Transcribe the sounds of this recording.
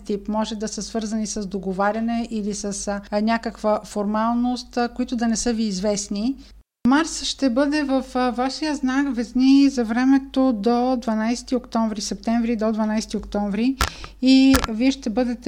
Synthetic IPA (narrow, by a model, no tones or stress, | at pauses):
t̪ipmɔʒɛd̪ɐsəsvɤɾzənisəzd̪oɡovaɾʲɐnɛʔilisəsnʲakəkvəfoɾmalˠnost̪koit̪od̪ɐnɛsɤviːzvɛsni | maɾsʃt̪ɛbɤd̪ɛvəfvaʃijəznakvɛznizɐvɾɛmɛt̪od̪od̪vɐnajsɛ̥t̪iokt̪ɔɱvɾisɛp̚t̪ɛɱvɾid̪od̪vɐnajsɛt̪iokt̪ɔɱvɾiː | viɛʃt̪ɛbɤd̪ɛt̪